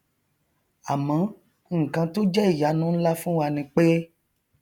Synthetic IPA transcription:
a˨mã˨˦ | ŋ̩˨kã˧to˦d͡ʒɛ˦i˦˨ja˨˦nũ˨˦la˦fũ˦wa˧nĩ˧˦k͡pe˦

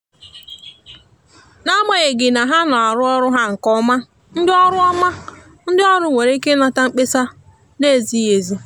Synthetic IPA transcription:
na˦ma˨ɣe˨ɡɪ˨na˨ɦa˦nɔ˨a˨ɾʊ˦ɔ˦ɾʊ˦ɦa˦ŋ̩˨kɔ˦ma˦ | n̩˦dɪ˦ɔ˦ɾʊ˦ɔ˦ma˦ | n̩˦dɪ˦ɔ˦ɾʊ˦ŋʷe˨ɾe˦i˦ke˦na˨ta˦ŋ͡m̩˦k͡pe˦sa˦ | ne˦˨zi˦e˨zu˦

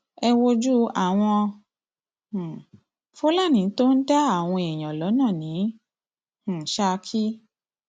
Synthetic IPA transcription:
ɛ˧wo˧d͡ʒu˦a˨w̃ɔ̃˧˨ | fo˦la˦˨nĩ˨˦to˦n̩˦da˦a˦˨w̃ɔ̃˧ɛ˨j̃ã˨lɔ˨˦nãː˦˨nĩ˨˦ | h̩˨ʃa˧kʰi˦

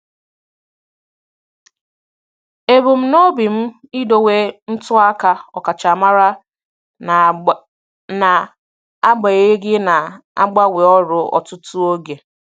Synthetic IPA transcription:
e˨bu˨m̩˦no˦bi˨m̩˦i˦do˨we˦n̩˦tʊ˦a˦ka˦ɔ˨ka˨t͡ʃa˨ma˦ɾa˦ | n˨ | na˨ | a˦ɡ͡ba˨e˦ɡɪ˦na˨a̰˦ɡ͡ba˦wɪ˨ɔ˦ɾʊ˨ɔ̰˨tʊ˦tʊ˦o˦ɡe˨

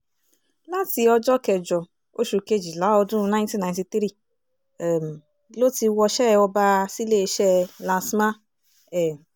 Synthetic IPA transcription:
la˦ti˧ɔ˧d͡ʒɔ˦kɛ˨d͡ʒɔ˨ | o˦ʃu˨˧ke˦d͡ʒi˨la˨˦ɔ˧dũ˦˧nã˦j̃ntĩ˦na˨jnti˧t̪ɾi˦ | ɛ˨m˨ | lo˦ti˧wɔ˧ʃɛ˦˧ɔ˧ba˧si˦le˦˧ʃɛ˦lã˧sma˦ | ɛ˨

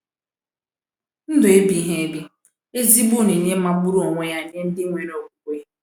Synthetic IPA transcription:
n̩˦dʊ˨e˦bi˨˦ɦe˦e˦bi˦ | e˦zi˦bu˦˨ni˨ɲe˦ma˦bu˦ɾu˦ɔ˨ŋʷe˦ja˦˨ɲe˦n̩˦dɪ˦ŋʷe˨ɾɔ˨ɡu˨kʷe˦

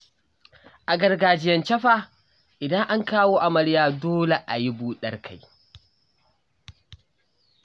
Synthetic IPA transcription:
ʔa˨ɡɐ˨rɡaː˨d͡ʒɪ˦jɐ˨nt͡ʃɐ˦ɸa˨ | ʔɪ˨dɐ˦ŋʔa˦ŋkaː˦woː˦ʔa˨mɐ˨ɽjaː˨doː˦le˨ʔa˨ji˦buː˦ɗɐ˦rkʰa˨j

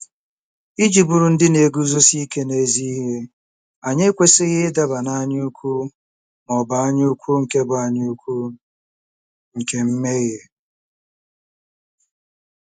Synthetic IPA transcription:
i˦d͡ʒi˨bu˨ɾu˨n̩˦dɪ˦ne˨ɡu˦zo˦si˦ke˦ne˦zi˦ɦe˦ | a˨ɲe˦kʷe˦sɪ˦ɣɪ˦da˨ba˨na˦ɲɪ˦u˦kʷu˦ | mɔ˨ba˨a˦ɲɪ˦u˦kʷu˦ŋ̩˨ke˦ba˨a˦˨ɲɪ˦u˦kʷu˦ | ŋ̩˨ke˨m̩˦me˦ɣe˨

